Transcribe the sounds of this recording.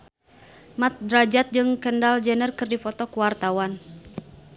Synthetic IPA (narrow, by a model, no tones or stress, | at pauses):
mat̪̚dɾad͡ʒat̪̚d͡ʒɨŋkəndald͡ʒənərkɨrdifɔt̪ɔkuwart̪awan